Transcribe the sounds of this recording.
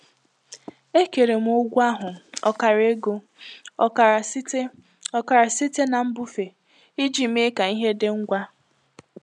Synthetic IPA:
e˦ke˨ɾe˨m̩˦o˦ɡʷu˦a˦ɦʊ˨ɔ̰˨ka˨ɾe˦ɡo˨ | ɔ˨ka˨ɾa˨ste˦ | ɔ˨ka˨ɾa˨si˦te˦na˨m̩˦bu˦fe˨ | i˦d͡ʒi˨m̩˦e˦ka˨i˦ɦe˦dɪ˦ŋ̩˦ɡʷa˦

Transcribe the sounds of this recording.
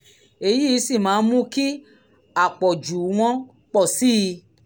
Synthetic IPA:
e˧ji˦˧˦si˦˨mãː˨˦˧mũ˦ki˦ | a˨k͡pɔ˨d͡ʒu˨w̃ɔ̃˧˦ | k͡pɔ˦˨si˦˧

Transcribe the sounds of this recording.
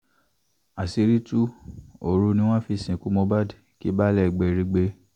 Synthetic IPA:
a˨si˧ɾi˦tu˦o˨ɾu˧nĩ˧w̃ã˦fi˧sĩ˨ku˦mɔ̃˧ba˦˨dki˦ba˦lɛ˦˨ɡ͡bɛ˧ɾi˧ɡ͡be˧˦

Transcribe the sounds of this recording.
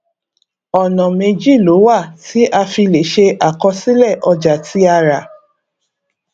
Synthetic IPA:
ɔ˨nɔ̃˨mẽ˧d͡ʒi˦˨lo˨˦wa˦˨ti˨˦ʔa˧fi˧le˨˦ʃe˧ʔa˨kɔ˧si˦lɛ˦˨ʔɔ˧d͡ʒa˨ti˨˦a˧ɾa˨

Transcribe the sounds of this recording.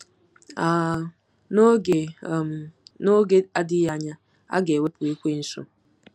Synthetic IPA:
a˨ | no˦˨ | no˦ɡe˦a˦dɪ˦ja˦ɲa˦ | a̰˦ɡe˨we˦pʊ˨e˦kʷe˦n̩˦so̰˦

